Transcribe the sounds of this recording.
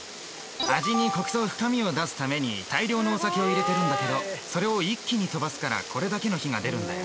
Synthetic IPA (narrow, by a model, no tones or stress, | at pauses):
aʑiɲ̟iko̞kɯ̟̥so̞ːɸɯ̟̥kamʲio̞d̪asɨ̥t̪ame̞ɲ̟it̪aiɾʲo̞ːno̞ːsake̞o̞iɾe̞t̪e̞ɾɯ̟̃nd̪ake̞d̪o̞so̞ɾe̞o̞ikʲːiɲ̟it̪o̞basɨ̥kaɾa̰kʰo̞ɾe̞d̪ake̞no̞çiŋad̪e̞ɾɯ̟̃nd̪ajo